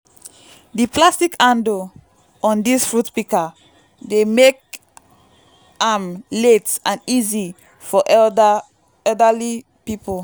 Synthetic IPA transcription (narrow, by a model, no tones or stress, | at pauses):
diplastikʰãndo | ɔ̃ndisfɹutpika | demek̚ | ãmletãnizi | fɔʔ | ɛldəli | pipol